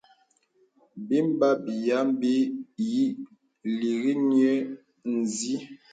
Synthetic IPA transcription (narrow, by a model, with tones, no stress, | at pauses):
bi˦m˦ba˦bi˨ja˦m˦bi˦ji˦ | li˨ɣi˦njɛ˦ | n̩˨zi˦